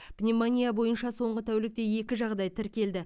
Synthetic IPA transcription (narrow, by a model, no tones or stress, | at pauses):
b̥nʲemanʲijabo̞jənʃɑso̞ɴʁət̪ʰæwlɪk̚t̪e̞e̞kʲɪʒɑʁd̪ɑjt̪ʰɪɾkʲe̞ld̪ɪ